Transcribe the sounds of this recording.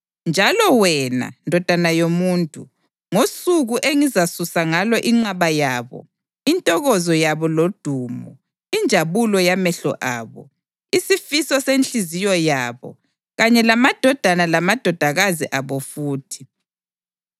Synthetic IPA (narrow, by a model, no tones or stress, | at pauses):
nd͡ʒʱalɔwɛna̰ndʱɔd̥ʱanajomuːntʼu | ŋosuɣuʔeŋizasusaŋalɔʔiŋ͡ǃaβajaːβɔ̰ | intʼɔɣɔzɔjaβɔlod̥ʱuːmɔ | ind͡ʒʱaβulɔjamɛɬɔ̰ʔaːβɔ̰ | isifisɔsent͡ɬizijɔjaːβɔ̰ | ɣaɲɛlamad̥ʱɔd̥ʱanalamad̥ʱɔd̥ʱaɣaziʔaβɔfuːtʰi̥